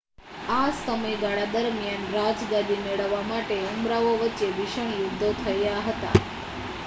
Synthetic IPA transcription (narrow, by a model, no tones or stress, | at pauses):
asəməjɡ̪aɽad̪əɾmjanɾad͡ʒɡ̪ad̪imeɭəʋːamaʈeəmbɾaʋoʋətːʃeʋiʃəɳjud̪ʱːot̪ʰəjaɦət̪a̰